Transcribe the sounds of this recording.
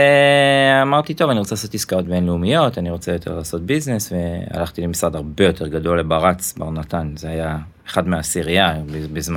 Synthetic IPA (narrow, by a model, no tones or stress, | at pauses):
eamaʁt̪it̪o̞vaniʁo̞t͡seaso̞tiskao̞t̚benleumijo̞t̪aniʁo̞t͡sejo̞t̪ʰe̞ʁlaːso̞t̪̚biznesvea̰laχt̪ilemisʁad̪aʁbe̞jo̞tʰe̞ʁɡado̞lːebaʁat͡sbaʁnat̪anzeaja | eχad̪meaːsiʁijabbizma